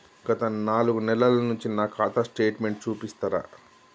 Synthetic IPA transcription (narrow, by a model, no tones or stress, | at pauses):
ɡ̥ɐt̪ɐnaːluɡunɛlɐlɐnuɲt͡ʃinaːkʰaːt̪ɐsʈeːʈme̞ɳʈ̚t͡ʃuːpist̪aːɾa̰ː